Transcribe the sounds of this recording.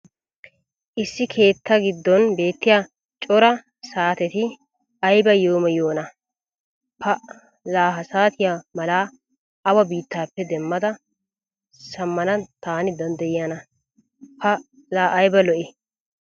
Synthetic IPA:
ʔɪsːɪkʰe̞ːt̪ːɐɡɪd̪ːɔnbe̞ːt̪ːɪjaː | t͡ʃʼɔɾɐ | saːt̪ɛt̪ɪ | ɐjbɐjoːmɐjoːnɐ | pʰɐ | laːɦɐsaːt̪ɪjamɐlaː | ʔɐwɐbiːt̪ːaːpːɛd̪ɛmːɐd̪ɐ | sɐmːɐnɐt̪aːnɪd̪ɐnd̪ɐjɪjanɐ | pʰɐ | laːʔɐjbɐlɔʔɛ

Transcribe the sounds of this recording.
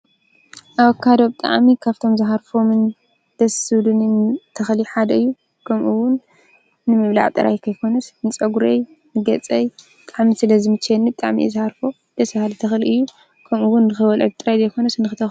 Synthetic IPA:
ʔaβkʰːad̪obt̪ʼa̰ʕmikʰaβt̪ʰo̞mzɨɦaɾfomɨn | d̪̥ɐsɨd̪unint̪ʰɐxliħad̪ɐɨjːu | kʰɐmʔuwʊnː | ɨmɨβla̰ʕt̪ʼɨɾa̰jkʰɐjkʰo̞nɐsnɨt͡sʼɐɡuɾej | nɨɡɐt͡sʼɐj | ɨt̪ʼaʕmisɨlɐzɨmɨt͡ʃʰːɛnːit̪ʼaʕmḭzɨhaɾfo | d̪̥ɐsbahalt̪ʰɐxliʔɨjːu | kʰɐmʔuwʊnːɨxɨwɐlʕɨt̪ʼɨɾajzɐjkʰo̞nɐsɨnɨxɨt̪ʰɐx

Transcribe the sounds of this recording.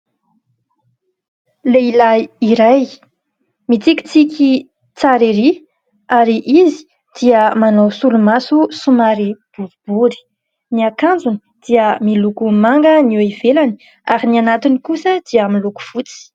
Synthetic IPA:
leilaiɾaj | mit͡sikʲi̥t͡sikʲi | t͡saɾiɾi | aɾiʔizi̥ | d̪̥iəmanowsulumasusumaɾib̥uvub̥uɾi̥ | niakand͡zuni | d̪̥iəmilukumaŋɡəniwiv̥elani̥ | aɾinianat̪inikusəd̪̥iaamiluku̥v̥ut͡si̥

